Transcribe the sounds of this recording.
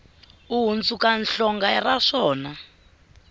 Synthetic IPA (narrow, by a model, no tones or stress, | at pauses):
uɦunt͡sukanɬɔŋɡaraʂɔːna